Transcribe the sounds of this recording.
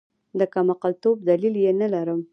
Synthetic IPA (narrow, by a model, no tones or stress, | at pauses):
d̪əkamaqɑlt̪ob̚d̪aliljenalaɾəm